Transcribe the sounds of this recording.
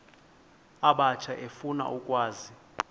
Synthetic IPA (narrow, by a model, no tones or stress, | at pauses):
aɓat͡ʃʰaʔefuna̰ʔukʼwaːzi